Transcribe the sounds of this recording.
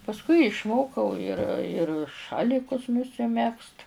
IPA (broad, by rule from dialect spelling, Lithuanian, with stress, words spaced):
pɐsˈkʊɪ ɪʃˈmoːkɐʊ ɪr ɪr ˈʃɑːlʲɪkʊs nʊsʲɪˈmʲɛkst